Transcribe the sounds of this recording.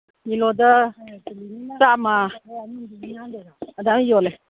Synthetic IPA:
ilod̪ə | sama | d̪amijole

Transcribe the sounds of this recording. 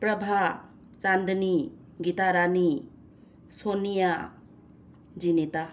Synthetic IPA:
pɾɐbʱa | t͡ʃand̪ni | ɡitaɾani | sonija | d͡ʒineta

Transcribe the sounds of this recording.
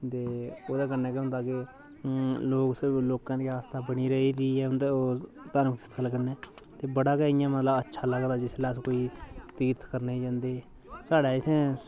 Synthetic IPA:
t̪eːoːd̪aːk̬əɾnɛːkːɦʊ̃nd̪aːkɪ | loːksəɾbloːkãːd̪iːaːst̪aːbəɽ̃iːɾəiːd̪iːɛːʊnd̪eoː | t̪əɾmkɪst̪ʰəlkəɾnɛː | t̪eːbəɽaːkaːijãːmət̪ləbətːʃʰaːləɡd̪aːd͡ʒɪslaːskoːiːt̪iːɾt̪kəɾniːd͡ʒãːnd̪eː | saːɽaːɪt̪ʰẽː

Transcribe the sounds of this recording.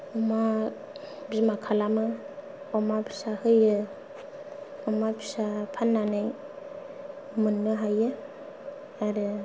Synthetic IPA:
ɔma | bzimakʰalama | ɔmabʰi̥sahɯjɯ | ɔmapʰisapʰanːanaj | mɯnːɯɦajɯ | aɾɯ

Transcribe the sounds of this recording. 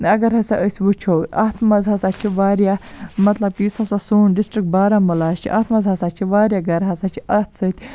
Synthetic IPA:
ɐɡɐɾɦɐsaʔəsʲʋut͡ʃʰowtat̪ʰmɐzɦɐsaːt͡ʃʰiʋaːɾʲjamɐt̪lɐb̚kijusɐsasuːnɖisʈɾik̚baːɾamulaːʃt͡ʃʰḭʔa̰ːt̪ʰmɐzɦɐsaːt͡ʃʰiʋaːɾʲjaɡɐɾɦɐsat͡ʃʰiʔɐt̪ʰsət̪ʲ

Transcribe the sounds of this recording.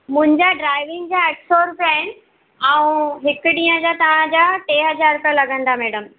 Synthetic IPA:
mʊ̃ɦɪ̃ɲd͡ʑaɖɾaːɪʋɪ̃ŋɡd͡ʑaeʈsoːɾpaɪnɪ̆ | ɛũɦɪkɖĩːə̃d͡ʑat̪ɐʋ̤ãd͡ʑaʈeːɦɐd͡ʑaːɾt̪əlɐɡə̃nd̪amɛːɽəm

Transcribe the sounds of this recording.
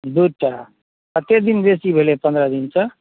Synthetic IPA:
d̪uʈa | ət̪ed̪inbesibʱelepə̃nd̪ɾəd̪insʰʌ

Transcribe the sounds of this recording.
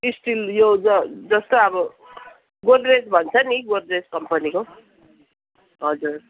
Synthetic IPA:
isʈiljod͡zʌd͡zʌst̪oʌbʌ | ɡolred͡zbʱʌnt͡sʰʌniɡolreskʌmpʌniko | ɦʌd͡zur

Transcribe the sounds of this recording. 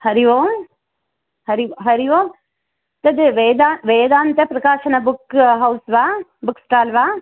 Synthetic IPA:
hɐɾiʋoː | hɐɾiʋoɦɐɾiʋoː | t̪ɐd̪ʋeːd̪aʋeːd̪aːnt̪epɾɐkaːʃɐnɐbʊkɦɐwsʋabʊksʈaːlʋaː

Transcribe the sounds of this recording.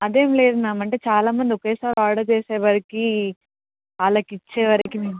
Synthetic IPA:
ɐd̪eːmle̞ːd̪unaːmɐɳʈe̞ːt͡ʃaːlaːmɐnd̪iɔkɐjsaːɾaːɽɐːt͡ʃeːseːʋɐɾiki | aːlɐkit͡ʃːeːʋɐɾikimiːm

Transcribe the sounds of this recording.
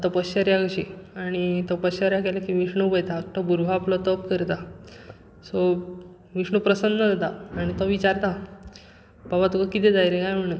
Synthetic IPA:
t̪əpəsɕəɾjakəɕiaɽ̃it̪əpəsəɾjakɛlakiʋiʂɳubəjt̪aːt̪ɔbuɾʋaːplɔt̪əpkəɾt̪a | sɔ | ʋiʂɳəpɾəsənd̪əd͡zat̪aaɽ̃it̪ɔʋit͡ɕaɾt̪a | babat̪ukakit̪ʰɛd̪aiɾekajm̤əɽ̃un

